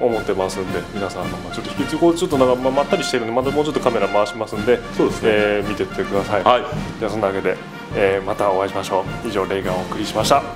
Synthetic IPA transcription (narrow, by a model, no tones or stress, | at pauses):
o̞mot̪ːe̞masɨ̃nd̪e̞mʲinasãnːãŋmkat͡ɕo̞t̪ːokʲit͡sɨkoːd̪et͡ɕo̞t̪ːoãŋkamamat̪ːaɾʲiɕi̥t̪eɾɯ̟nd̪emat̪amoːt͡ɕo̞t̪ːo̞kame̞ɾamaɕimasɨ̃nd̪e̞soːd̪esneːmʲit̪e̞t̪ʰːe̞kɯ̟d̪asaiaid͡ʑaasonːaaɡe̞d̪e̞ | eːmat̪ao̞aiɕimaɕo̞ːiʑo̞ːɾe̞iɡaoːkɯ̟ɾʲiɕimaɕi̥t̪a